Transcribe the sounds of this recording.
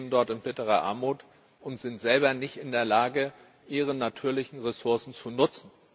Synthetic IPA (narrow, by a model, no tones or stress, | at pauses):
bndɔɐtɪnbɪtəʁ̞ɐʔa̰ɐmuːt | ʊntz̥ɪntz̥ɛlbɐnɪçtʔɪndeːɐlaːɡə | ʔiːʁ̞ənatʰyːɐlɪçn̩ʁesʊɐsn̩t͡sunʊt͡sn̩